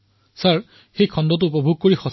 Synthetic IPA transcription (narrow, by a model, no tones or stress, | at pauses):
saɹ | xejkʰɔndɔt̬ʊːpɔbʱuɡ̚koɹixɔs